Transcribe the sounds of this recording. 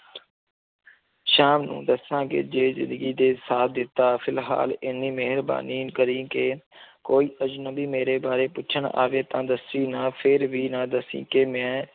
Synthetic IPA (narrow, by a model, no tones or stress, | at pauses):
ʃaːmnṵ̃ːd̪əsãːkɪ̰d͡ʒeːzɪ̰nd̪əɡiːd̪eːsaːt̪̚d̪ɪt̪ːaːpʰɪlɦa̰ːlɪnːĩːmeːɦəɾba̰ːniːkəɾĩːkeːkoːiːʔəd͡ʒnəbiːmeːɾeːbaːɾeːpʊːʃʰəɳa̰ːʋeːt̪ãːd̪əsiːnãːpʰɪɾʋiːnãːd̪əsḭ̃ːkemɛ̃ː